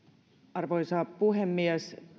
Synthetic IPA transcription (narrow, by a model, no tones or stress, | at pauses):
ɑrʋojsɑːppuɦemːiɛs